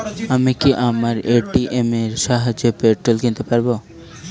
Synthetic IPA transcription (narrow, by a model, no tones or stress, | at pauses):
amikiʔamaɾeʈiʔemeɾʃaɦad͡ʑopeʈɾolkint̪epaɾbo